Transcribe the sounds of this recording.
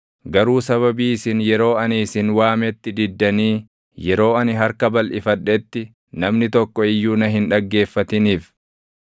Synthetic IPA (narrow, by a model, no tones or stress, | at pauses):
ɡɐɾuːsɐβɐbiːɪsɪnjɛɾo̞ːɐniːsɪnwaːmɛt̪ːɪd̪ɪd̪ːɐniː | jɛɾo̞ːɐnɪɦɐɾkɐbɐlʔɪfɐᶑɛt̪ːɪ | nɐmnɪt̪ɔkːɔɪjːuːnɐɦɪnᶑɐɡːe̞ːfːɐt̪ɪniːf